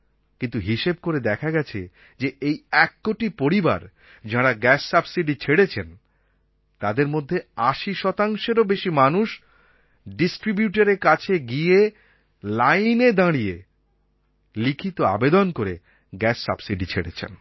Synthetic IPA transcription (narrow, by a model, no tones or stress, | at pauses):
kint̪uɦiʃeb̚koɾed̪ɛkʰaɡɛt͡ɕʰe | d͡ʑeejɛkːoʈipoɾiba̰ɾ | d͡ʑaɽaɡɛsːabsiɖit͡ɕʰeɽet͡ɕʰen | t̪ad̪eɾmod̪ʱːeaʃiʃɔt̪aŋʃeɾobeʃimanuʃ | ɖisʈɾibjuʈaɾeɾkat͡ɕʰeɡie | lajned̪ãɽije | likʰit̪oa̰bed̪onkoɾe | ɡɛsːa̰bsiɖit͡ɕʰeɽḛt͡ɕʰḛn